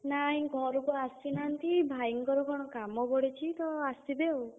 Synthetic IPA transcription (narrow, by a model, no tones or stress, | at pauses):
naj̃ɡʱɔɾɔkuast̪inant̪ibʱajiŋkɔɾɔkʰɔɽ̃ɔkamɔbɔɽet͡ʃʰit̪ɔast̪id̪ew